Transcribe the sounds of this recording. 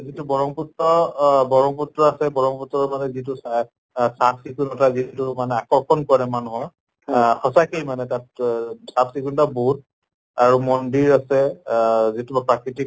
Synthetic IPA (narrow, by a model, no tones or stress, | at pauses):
zitubɔɹɔŋpɔtːɔbɔɹɔŋpɔtɹɔasɛbɔɹɔŋpɔtɹɔɹmanɛzit̬us | sapʰsikunɔtazitumanɛakɔɹkʰɔnkɔɹɛmanɦɔj | xɔsakejmanɛtat̚sapsikunɔtabud̚ | aɹumɔndiɹasɛ | zitubapɹakɹitik